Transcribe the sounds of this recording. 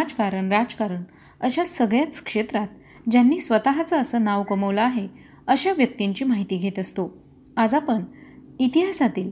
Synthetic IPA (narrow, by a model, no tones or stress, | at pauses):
d͡zkaɾəɳɾad͡zkaɾəɳ | əɕasəɡɭjat͡skʂet̪ɾat̪ | d͡ʑjanːiːsʋət̪aɦat͡səəsəːnaʋkəməʋləaɦe | əɕaʋjək̚t̪iɲt͡ɕiːmaɦit̪iːɡʱet̪əst̪o | ad͡zapəɳit̪iɦasat̪iːl